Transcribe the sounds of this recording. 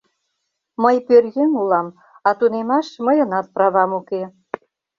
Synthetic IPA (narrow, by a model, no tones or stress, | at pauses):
məjpørjenulɑm | ɑt̪unemɑʃməjə̆nɑt̪̚prɑβɑmuke